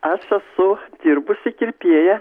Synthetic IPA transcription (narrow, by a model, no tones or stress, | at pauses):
ɐʃɐsʊd̪ʲirbʊsʲɪkʲɪrʲpʲiɛjɛ